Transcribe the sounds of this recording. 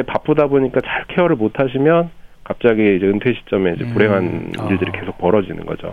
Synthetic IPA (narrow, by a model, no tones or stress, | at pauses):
epap͈odaboɲik͈at͡ɕaɭkʰe̞ʌɾɯɭmotʰaɕ̬ʰimjʌnkap̚t͡ɕ͈aɡiid͡ʑeɯntʰwe̞ɕʰi̥t͡ɕ͈ʌme̞id͡ʑe̞puɾe̞ŋɦaniɭdɯɾike̞sʰok̚p͈ʌɾʌd͡ʑinɯ̰nɡʌd͡ʑo̰